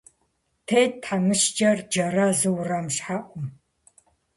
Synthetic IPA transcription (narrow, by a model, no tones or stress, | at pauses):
tʰejttħamɨʃd͡ʒɐrd͡ʒɐrɐzɨwrɐmɕħaʔʷʊm